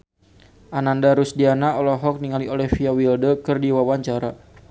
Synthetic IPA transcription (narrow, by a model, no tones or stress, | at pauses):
ʔanandaɾusdianaɔlɔɦɔk̚niŋaliolɛfiawildəkɨrdiwawaɲt͡ʃaɾa